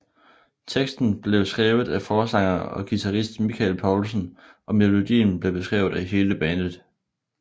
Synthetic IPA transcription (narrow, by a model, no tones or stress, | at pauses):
t͡sʰeɡ̥sd̥n̩b̥le̝ʊsɡ̥ʁɛːʊð̩ˠæfɒːsɑ̈ŋɐɒ̽ɡ̥it͡sʰɑʁisd̥mikʰælpʰɒʊlsən̩ʔɒ̽me̝lo̝d̥ḭːn̩b̥le̝b̥e̝sɡ̥ʁɛʊð̩ˠæɦe̝ːləb̥ɛːnð̩ˠ